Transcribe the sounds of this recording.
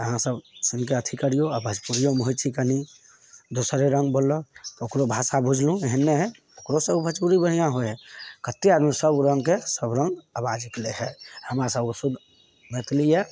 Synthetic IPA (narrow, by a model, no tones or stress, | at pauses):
əɦãsəbsink̬eət̪ʰikəɾijoabʱəd͡ʒpuɾijomɦot͡ʃʰikəni | d̪osɾeɾəŋɡbolːɔt̪okɾobʱasabud͡ʒʱlũeɦɛnːeɦɛ | okɾosəbbʱət͡ʃpuɾibəɽ̤ijãɦoɦɛkət̪ːiad̪misəbɾə̃ŋɡkesəbɾəŋɡəbad͡ʒikleɦɛhəmɾasəbsud̪ʱ | met̪ʰlije